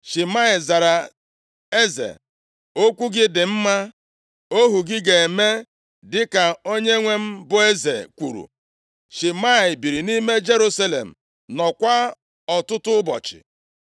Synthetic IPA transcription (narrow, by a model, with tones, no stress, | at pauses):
ʃi˨ma˦ɪ˨za˨ɾa˨ | e˦zḛ˨ | o˦kʷu˦ɡɪ˦dɪ˨m̩˦ma˦ | o˦ɦu˨ɡɪ˦ɡe˨e˨me˦ | dɪ˦ka˨o˦ɲe˦ŋʷe˦m̩˦bʊ˨e˦zḛ˨kʷṵ˨ɾṵ˨ | ʃi˨ma˦ɪ˨bi˨ɾi˨ni˦me˦d͡ʒe˦ɾu˦sa˦lḛ˨m̩˨ | nɔ˨kʷa˦ | ɔ˨tʊ˦tʊ˦bɔ̰˨t͡ʃɪ̰˨